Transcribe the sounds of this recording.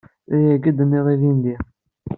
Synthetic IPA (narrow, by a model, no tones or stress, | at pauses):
ðæjæɡæd̪ənːiðˤiðind̪i